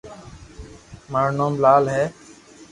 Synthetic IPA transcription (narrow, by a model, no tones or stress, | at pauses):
maːɾnoːmlaːlɦɛː